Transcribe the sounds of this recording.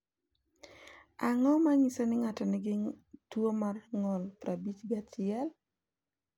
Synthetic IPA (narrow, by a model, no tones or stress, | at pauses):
aŋɔmaɲisonɪŋatɔnɪɡɪtwomarŋɔlpɾabit͡ʃɡat͡ʃɪɛl